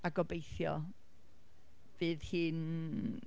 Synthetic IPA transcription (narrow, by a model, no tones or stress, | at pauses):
aɡɔbejθjɔ̰ | v̥ɨːðhɨːn